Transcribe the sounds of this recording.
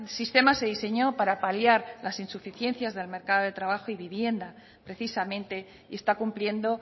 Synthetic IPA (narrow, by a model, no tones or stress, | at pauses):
sist̪e̞mase̞ðise̞ɲo̞paɾapaljaɾlasinsufiθje̞nθjazðe̞lme̞ɾkaðoð̞e̞t̪ɾaβaxoiβiβje̞nd̪a | pɾe̞θisamẽnt̪e̞ | ie̞st̪akumplje̞nd̪o̞